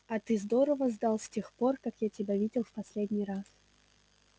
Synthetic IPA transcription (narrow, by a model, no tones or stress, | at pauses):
ɐt̪ɨzd̪oɾəvəzd̪alˠsʲtʲexpo̞rkakjatʲɪbʲavʲidʲɪlˠfpɐsʲlʲedʲnʲijɾas